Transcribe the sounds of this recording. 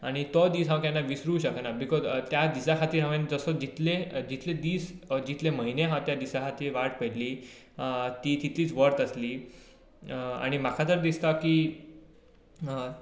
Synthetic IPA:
aɽ̃it̪ɔd̪iːsɦãwk̪anːaʋisɾuːɕəknabikɔzt̪jad̪isakʰat̪iːɾɦãʋẽnd͡zəsəd͡ʑit̪led͡ʑit̪led̪iːsd͡ʑit̪leməɦineɦãt̪jad̪isakʰat̪iːʋaʈpəliː | t̪iːt̪it̪iːt͡sʋəɾt̪əsliː | a̰ɽ̃imakʰat̪əɾd̪ist̪akiː

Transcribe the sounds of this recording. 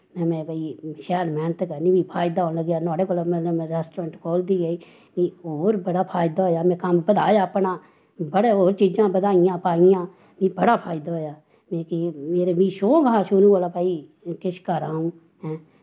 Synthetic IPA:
mɛ̃ːmɛ̃ːbaːiːʃɛːɾmɛ̃ːnt̪eːkəɾniːʋiːpʰaːɪd̪aːoːnləɡjaːnɔːɽeːkoːlomɛ̃ːñːmɛ̃ːɾɛːsʈɾãːɳʈkoːld̪iːɡəiː | ʋiːɦoːɾbəɽaːpʰaːɪd̪aːɦoːjaːmɛ̃ːkəmbəd̪aːjaːpnaː | bəɽeːɦoːɾt͡ʃiːd͡ʒãːbəd̪aːɪjãːpaːijãː | mĩːbəɽaːpʰaːjd̪aːɦoːjaː | mɛ̃ːkɪmeːɾeːʋĩːʃoːɡaːʃʊɾũːoːlaːpaːiːkɪʃʰkəɾãːɦũː | ɦɛ̃ː

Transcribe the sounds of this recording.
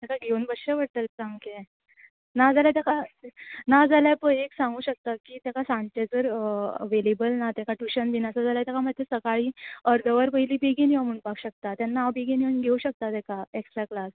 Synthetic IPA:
t̪akʰaɡʱeunbəɕəʋəɽt̪əlkamke | nad͡zalat̪jakʰa | nad͡zaljapəjeksãŋɡuːɕək̚t̪akiːt̪jakasãnt͡ɕed͡zəɾəʋelebəlnat̪akaʈuɕənbinasad͡zalat̪jakʰamad̪ʱjesəkaɭiːəɾd̪ʱəʋəɾpəiliːbeɡiniəmuːɳpakɕək̚t̪at̪janːaːbeɡiniənɡʱeuɕək̚t̪at̪ɛkaeksʈɾaklas

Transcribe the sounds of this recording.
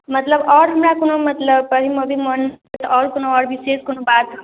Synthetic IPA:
mɐt̪ləbɔːɾɦɐmɾakonomɐt̪ləbəɦiməbʱimənt̪ɔːɾkonoɔːɾbʱiseːskonobaːt̪

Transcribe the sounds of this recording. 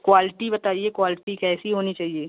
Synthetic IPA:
kwaːlɪʈibɐt̪aːiekwaːlɪʈikɛːsiɦoːnit͡ʃaːɦieː

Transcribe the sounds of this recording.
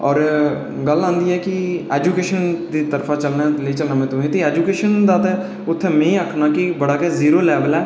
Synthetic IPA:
ɔːɾ | ɡəlãːnd̪iːɛːkɪɛːd͡ʒuːkeːʃənd̪iːt̪əɾfʰãːt͡ʃəlnaːliːt͡ʃəlnãːmɛ̃ːt̪ʊɦẽːt̪eːɛːd͡ʒuːkeːʃənd̪aːt̪ɛː | ʊt̪ʰːɛ̃ːmɛ̃ːĩːəkʰnaːkɪbəɽaːkɛːziːɾoːlɛːʋəlɛː

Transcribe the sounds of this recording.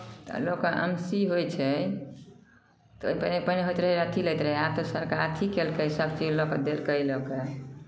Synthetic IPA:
t̪ɔ̰lokeə̰msiɦojt͡ʃʰɛ | t̪ɔoipənepəneɦojt̪ɾəɦɛɾət̪ʰiləjt̪ɾəɦɛat̪ɔsəɾkaɾt̪ʰikelkeisəbt͡ʃid͡ʒloked̪elkəjloke

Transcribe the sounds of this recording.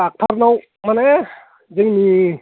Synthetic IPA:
ak̚tʰaɾnaw | mane | zɯŋni

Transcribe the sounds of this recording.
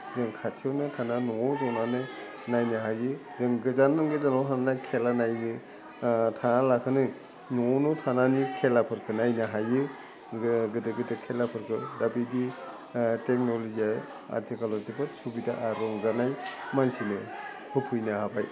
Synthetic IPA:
zɯŋkʰatʰiewnɯtʰananɔŋɔzɔnanɯ | najnaɦajɯ | zɯŋɡɯzanaŋɡezanawtʰananajkʰelanajnɯ | tʰanalakʰɯnɯ | nɔŋɔnɔtʰananikʰelapʰɯɾkʰɯnajnaɦajɯ | ɡɯdɯɡɯdɯkʰelapʰɯɾkʰɯdabidi | tek̚nɔloziaj | a̰tʰikalɔzibɯtsubitaʔaɾɔŋzanajmansinɯ | hɯpʰɯjnahabaj

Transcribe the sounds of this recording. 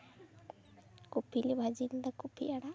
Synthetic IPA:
kupilibʱad͡ʒind̪akupʰiʔaɽa

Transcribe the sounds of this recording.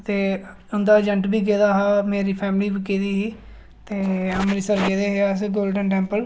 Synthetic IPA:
t̪eː | ʊnd̪aːd͡ʒəɳʈbiːk̬eːd̪aːɦaːmeːɾiːpʰɛːmliːbikeːd̪iːɦiː | t̪eːamːɾiːsəɾɡeːd̪eːɦeasɡoːlɖənʈɛ̃ːmpəl

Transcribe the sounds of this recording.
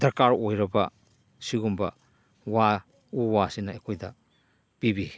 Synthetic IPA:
dɐɾkaɾojɾɐbɐ̰ | siɡumbɐ̰ | wa | uwasinaekʰojdɐ | b̥ibi

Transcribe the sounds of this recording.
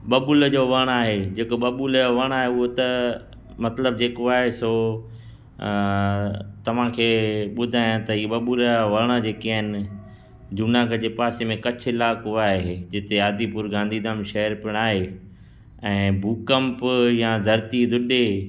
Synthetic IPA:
ɓɐɓʊld͡ʑoːʋɐɽ̃aːɦed͡ʑeːkoɓɐɓʊlʋɐɽ̃aːɦeʊɦot̪ɐ | mɐt̪ləbd͡ʑeːkoaːɦesoː | t̪ɐʋ̤ãkʰeːɓʊd̪ʱaːɪjãt̪ɐɦiːɓɐɓʊlʋɐɽ̃əd͡ʑeːkiaːɦɪnɪ̆ | d͡ʑuːnaːɡəd͡ʑeːpaːsemẽkɐt͡ɕʰɪlaːkɦuaːɦed͡ʑɪt̪eaːd̪ipuɾɡãːnd̪ʱid̪aːmʃɐɦəɾpɪɽ̃aːɦe | ɛ̃ːbuːkəmpjãd̪ʱɐɾt̪id̪ʱʊɗe

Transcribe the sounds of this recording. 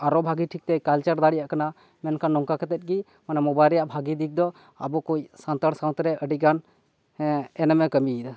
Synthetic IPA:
aɾɔbʱaɡiʈʰik̚t̪ɛkalt͡ʃəɾd̪aɽijaʔkana | mɛnkʰanːɔŋkakɛt̪ɛt̪̚ɡi | manɛmɔbajlɾɛjaʔbʱaɡid̪ik̚d̪ɔ | a̰bɔkujsant̪əɽsaw̃nt̪ɾɛʔəɖiɡan | ɛnɛmɛkəmid̪a

